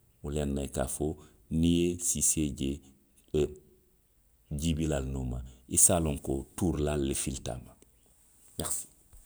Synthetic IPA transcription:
ulenːajka̰fo | nijesiseɟe | ɟibilalnomaisaːloŋkotuːɾlalːefilta̰ma | ɲaxsi̥

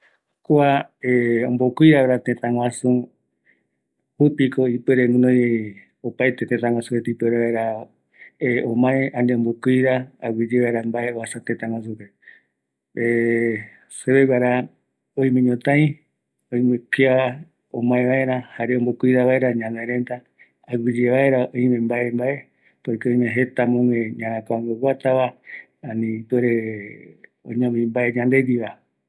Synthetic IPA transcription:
koaeõmbokuiɾaβaɾat̪ẽt̪ãŋʷwãsũ | hupikoipeɾeŋɨ̃nõj | opajt̪et̪ẽt̪ãŋʷãsũɾet̪ipeɾeβaeɾa | eõmãẽand̪eombokiɾaawid͡ʒeβaeɾambaeβasat̪ẽt̪ãŋʷãsupe | e | seβewaɾa | õĩmẽɲõt̪ãĩ | oĩmekia | õmãẽβaeɾahaɾeõmbokuiɾaβaeɾaɲãneɾẽnt̪aː | ɡɨd͡ʒeβaeɾaõĩmẽmbaembae | poɾikeõĩmẽɦet̪amõŋẽɲãɾãkaaŋɡowʷat̪aβa | anĩpeɾe | õ̰ɲãmĩmbaeɲãnd̪ed̪iβa

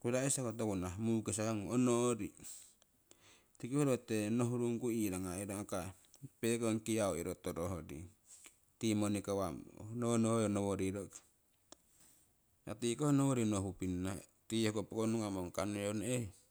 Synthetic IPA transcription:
kudaesakot̪̬okunamukes̬aaŋonoɾi | t̪ikihoɾot̪enoɦuɾuŋkuiɾaŋaiɾaŋaka | pekoŋkiaoḭɾot̪oɾoɦodḭ | timonikawamnonojonowoɾiɾokḁ | a̰tikohonowoɾinoɦupinːatihokopokonuŋamoŋkanoone

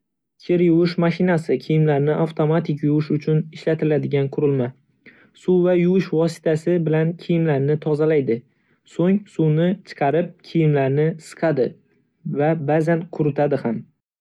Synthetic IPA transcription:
kʲʰɪɾjʊwɪʃmaʃɪnasɪkʲʰijɪmlaɾnɪʔaft̪ʰo̞mat̪ʰɪkʲjʊwɪʃʊt͡ʃʰʊnɪʃlat̪ʰɪlad̪ɪɡʲanqʰʊɾɪlma | suvajʊwɪʃvɒsɪ̥t̪ʰasɪbɪlankʲʰijɪmlaɾnɪt̪ʰɒzalajd̪ɪ | soŋsunɪt͡ʃʰɨ̥qʰɑɾɪp̚kʲʰijɪmlaɾnɪsɨ̥qʰɑd̪ɪ | vabazanqʰʊɾɪt̪ʰad̪ɪham

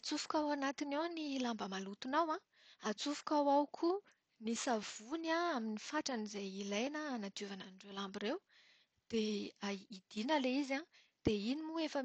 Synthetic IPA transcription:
at͡sufu̥kawanat̪inawnilambəmalut̪unawã | at͡sufu̥kawawkʰu | nisav̥unaaminifaʈ͡ʂanizajilajnəːnat̪uvananɳɖ͡ʐelambirew | d̪̥eaid̪̥inəleizã | d̪̥einimuefə

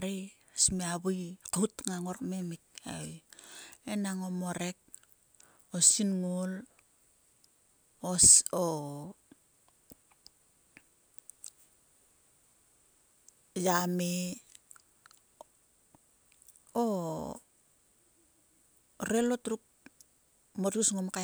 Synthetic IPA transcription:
ɾi | asmeaβuikautŋaŋorkmemik̚a̰j | enaŋomoɾek̚ | osinŋol | oso | jame | o | ɾelotɾuk̚ | motusŋomka

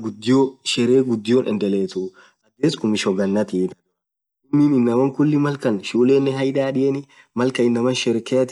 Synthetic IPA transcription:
ɡʊd̪ːɪjoʃɛɾeːɡʊd̪ːɪjoːnʔɛ̰nd̪ɛleːt̪u | ʔɐd̪eːsʊmɪʃɔɡɐnːɐt̪iːt̪ɐ | ɪnːinɪnːɐmɐŋkʊlːɪmɐlkɐnʃuːleːnːɛɦɐjᶑaːᶑɪjɛnɪ | mɐlkɐɪnːɐmɐnʃɛɾkɛt̪

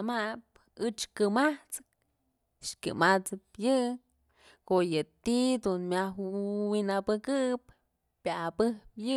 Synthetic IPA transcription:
map | ɨt͡ʃkɨmaht͡sɨ̥k̚ | ʂkʲɨ̰mat͡sɨpjɨ | kojɨt̪id̪unmʲahwinapɨkɨɨp | pʲaapɨhpjɨ

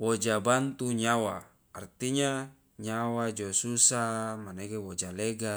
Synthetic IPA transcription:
wod͡ʒabant̪uɲawaː | rt̪iɲa | ɲawad͡ʒosusamaneɡewod͡ʒaleɡa

